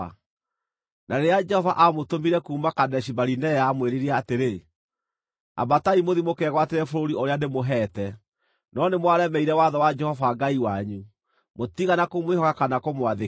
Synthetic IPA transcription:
a̰ | nʔaɾead͡ʒɛhɔvaʔamotomiɾɛkuːmakadɛʃibaɾinɛjaːmweɾeɾiɛateɾe | a̰bataimoðimokɛɣwateɾɛfoɾoɾioɾeanemoɦɛːtɛ | nɔnemwaɾɛmɛiɾɛwaðɔwad͡ʒɛhɔvaɡaiwaɲu | motiɣanakomwehɔkakanakomwaðe

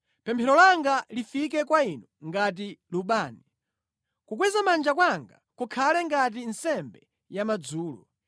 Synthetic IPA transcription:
pɛmpʰɛɾɔlaŋɡalifikɛkwainɔŋɡat̬iluɓaːni | kuk̬wɛzamand͡ʒakwaŋɡa̰kukʰalɛŋɡat̬insɛmbɛ | jamad͡zuːlɔ̰

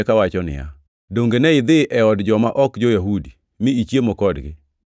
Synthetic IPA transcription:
kawat͡ʃɔnɪ̰ja̰ | doŋɡenɛɪd̪ɪʔɛɔdd͡ʒɔmaʔɔkd͡ʒojaɦudi | mɪit͡ʃjemokɔdɡɪ̰

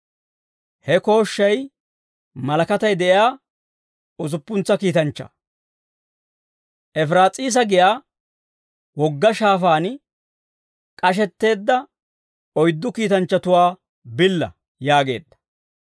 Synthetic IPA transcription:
hɛko̞ːʃːɐj | mɐlɐkɐt̪ɐjd̪ɛʔɪjaː | ʊzʊpːʊnt͡sːɐkiːt̪ɐnt͡ʃːɐ̰ | ʔɛfɾaːt͡sʼiːs̬ɐɡɪjaː | wɔɡːɐʃaːfaːn | kʼɐʃ̬ɛt̪ːe̞ːd̪ːɐ | ɔjd̪ːʊkiːt̪ɐnt͡ʃːɐt̪ʊwaː | bɪlːɐ̰ | jaːɡe̞̰ːd̪ːɐ̥

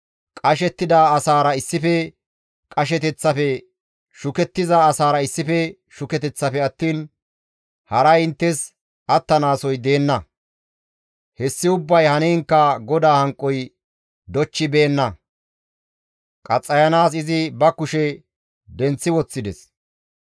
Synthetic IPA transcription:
kʼɐʃɛt̪ːɪd̪aːsaːɾɐɪsːɪfɛ | kʼɐʃ̬ɛt̪ɛt͡sːɐfɛ | ʃʊkɛt̪ːɪzaːsaːɾɐɪsːɪfɛ | ʃʊkɛt̪ɛt͡sːɐfɛɐt̪ːiːn | hɐɾɐjɪnt̪ːɛs | ʔɐt̪ːɐnaːsɔjd̪e̞ːnːɐ | hɛsːɪʊbːɐjhɐneːŋkːɐɡɔd̪aːhɐŋkʼːɔj | d̪ɔt͡ʃːɪbe̞ːnːɐ | kʼɐt͡sʼːɐjɐnaːsɪzɪbɐkʊʃɛ | d̪ɛnt͡sːɪwɔt͡sːɪd̪ɛs

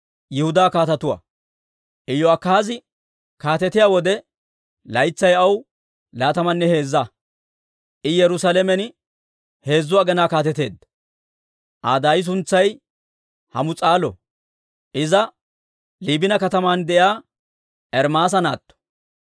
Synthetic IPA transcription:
jɛhʊd̪aːkaːt̪ɐt̪ʊwa̰ | ʔɪjːɔɐkːazɪ | kaːt̪ɛt̪ɪjaːwɔd̪ɛ | lɐjt͡sːɐjɐw | laːt̪ɐmɐnːɛhe̞ːzːa | ɪjɛɾʊsalɛmɛn | he̞ːzːʊwaɡɛnaːkaːt̪ɛt̪e̞ːd̪ːɐ̥ | ʔa̰ːd̪aːjɪs̬ʊnt͡sːɐj | hɐmʊt͡sʼaːlɔ̰ | ʔɪzɐ | liːbɪnɐkɐt̪ɐmaːnd̪ɛʔjaː | ɛɾmaːs̬ɐna̰ːt̪ːɔ̥

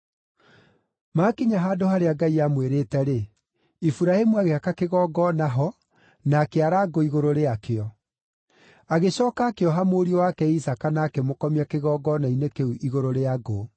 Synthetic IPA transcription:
maːkiɲaɦaːdohaɾeaɡaiamweɾeːtɛɾe | ifuɾaemuaɣeakakeɣɔɡɔnaɦɔ | naːkeaɾaːɡoiɣoɾoɾeakeɔ | aɣeɕɔːkaːkeɔɦamoːɾiowakɛisakanaːkɛmokɔmiakeɣɔːɡɔnainekeuʔiɣoɾoɾeaɡo

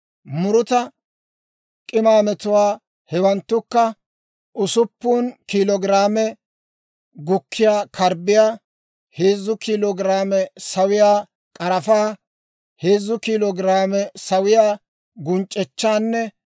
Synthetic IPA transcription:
mʊɾʊt̪ɐ | kʼɪmaːmɛt̪ʊwaː | hɛwɐnt̪ːʊkːɐ | ʔʊsʊpːuːnkilɔɡɪɾaːmɛ | ɡʊkʰːɪjaːkʰɐɾbɪjaː | heːzːʊkilɔɡɪɾaːmɛsɐwɪjaː | kʼɐɾɐfaː | heːzːʊkiːlɔɡɪɾaːmɛsɐwɪjaː | ɡʊnt͡ʃʼːɛt͡ʃːaːnːɛ

